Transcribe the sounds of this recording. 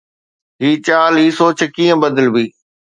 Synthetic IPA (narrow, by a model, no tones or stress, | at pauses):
ɦiːt͡ɕaːliːsoːt͡ɕʰkĩːə̃bəd̪əlbiː